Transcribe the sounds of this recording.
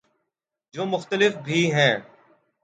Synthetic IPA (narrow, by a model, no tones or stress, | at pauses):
d͡ʒoːmʊxt̪əlɪfbʱiːɦɛ̃ː